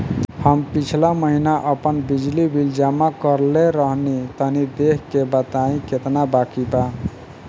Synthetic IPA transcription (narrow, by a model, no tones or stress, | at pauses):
həmpit͡ʃʰlaməɦinaʔəpənbid͡ʒlibʱild͡ʒamakəɾleɾəɦnit̪ənid̪ekʰkebət̪aĩket̪nabakiba